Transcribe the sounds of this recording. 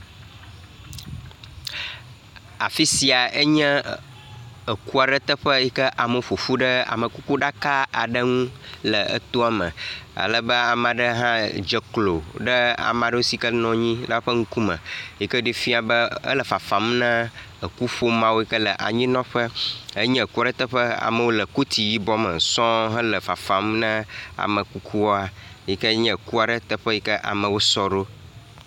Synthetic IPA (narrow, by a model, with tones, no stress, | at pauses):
a̰˨fi˦si˨a˨ə˦ɲə̃˦ | ə˨ku˦a˨ɖə˦t̪ə˦ɸə˦jɛ˦kə˦ʔa˨mə˨fo˨fu˦ɖə˦a̰˨mə̃˨ku˦ku˦ɖa˦ka˦a̰˨ɖə˦ŋũ˦lə˨ə̰˦t̪o˦a˨mə̰̃˨a̰˨lə˦bə˦a˨ma˨ɖə˦ɦã˦d͡ʒə˨klo˨ɖə˦a̰˨m˨ã˨ɖə˦u˦si˨kə˦nɔ̃˦ɲĩ˦la˦ɸə˦ŋ̩˦ku˦mə̰̃˨ji˦kə˦ɖi˦fi˦a˨bə˦ə̰˦lə˨fa˨fa˨mnə̃˦ | ə˨ku˦ɸo˦mã˦wo˦i˦kə˦lə˨ʔa̰˨ɲĩ˦nɔ̃˦ɸə˦ə˦ɲɛ̃˦˨ku˦a˨ɖə˦t̪ə˦ɸə˦a̰˨mə˨wo˦lə˨ko˦t̪ʰi˨ji˦bɔ˦mə̰˨sɔ̃˦ɦə̃˦lə˨fa˨fa˨mnə̃˦a̰˨mə̃˨ku˦kʰu˦wɔ˦a˨ji˦kə˦ɲə̃˦˨ku˦a˨ɖə˦t̪ə˦ɸə˦ji˦kə˦ʔa̰˨mə̃˨wo˦sɔ˦ɖo˦